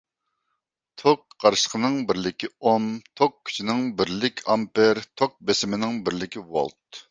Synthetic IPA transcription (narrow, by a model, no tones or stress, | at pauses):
t̪ʰok̚qɑɾʃə̥qʰənɨŋbɪɾlɪkʲiomt̪ʰokkʲʰːy̥t͡ʃʰinɪŋbɪɾlɪkʲʰɑmpɪɾt̪ʰok̚besɪmɪnɪŋbɪɾlɪkʲiwo̰lˠt̪̚